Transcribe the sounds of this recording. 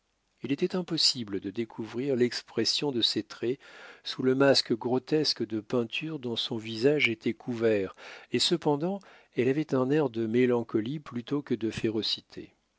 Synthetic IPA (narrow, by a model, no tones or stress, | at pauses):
ilet̪ɛt̪ɛ̃pɔsibləd̪əd̪ekʰuvʁiʁlɛkspχesjɔ̃d̪əset̪χɛsuləmaskɡʁɔt̪ɛskd̪əpɛ̃t̪ʰyʁd̪ɔ̃sɔ̃vizaʒet̪ʰɛkʰuvɛʁesəpɑ̃d̪ɑ̃ | ɛlavɛt̪ɛ̃nɛʁd̪əmelɑ̃kɔliplyt̪okəd̪əfeʁɔsit̪ʰḛ